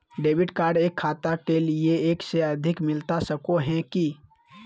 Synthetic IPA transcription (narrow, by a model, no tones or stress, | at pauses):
ɖeːbɪʈkaːɾɖeːkʰːaːt̪akelieeːkseɐd̪ʱɪkmɪlt̪asəkoɦɛ̃ki